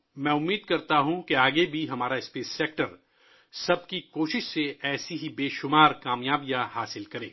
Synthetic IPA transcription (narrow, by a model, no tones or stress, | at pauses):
mɛ̃ːʊmːiːd̪̚kɐɾt̪aɦũkeaːɡebʱiɦɐmaːɾaɪspeːseːk̚ʈəɾ | sɐb̚kikoːʃɪʃseɛːsiɦibeːʃʊmaːɾkaːmjaːbijahaːsɪlkɐɾḛ̃ː